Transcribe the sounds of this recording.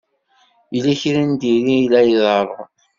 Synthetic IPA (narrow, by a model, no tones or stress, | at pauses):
ilæçɾænd̪iɾilæjəðˤɑɾˤʁ